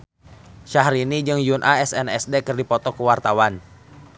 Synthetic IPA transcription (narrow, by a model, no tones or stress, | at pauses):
ʃaɦɾinid͡ʒɨŋjunʔaɛsɛnɛsdekɨrdipɔt̪ɔkəwart̪awan